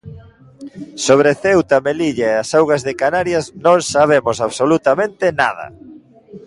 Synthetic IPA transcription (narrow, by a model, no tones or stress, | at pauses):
soβɾeθewt̪ameliʎaeasawɣazðɪkanaɾjasnõŋsaβ̞emosaβsolut̪amẽnt̪ɪnað̞ɐ̰